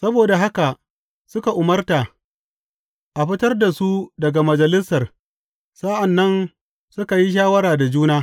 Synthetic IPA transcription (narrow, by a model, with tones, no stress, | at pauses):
sɐ˦boː˨da˨ɦa˦ka˨ | sʊ˦ka˨ʔʊ˨mɐ˦rta˨ | ʔa˨ɸɪ˦tɐ˦rda˨su˦dɐ˨ɡa˨mɐ˨d͡ʒɐ˨lɪ˦sɐ˨r | sa˦ʔa˨nːɐ˦n | sʊ˦ka˨ji˦ʃ̬aː˦wɐ˦ɾaː˨da˨d͡ʒuː˦naː˦